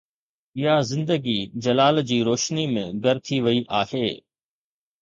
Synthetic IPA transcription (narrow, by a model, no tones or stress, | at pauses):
ɪjazɪ̃nd̪əɡid͡ʑɐlaːld͡ʑiːɾoːʃnimḛ̃ɡɐɾt̪ʰiʋɐiʔaːɦheː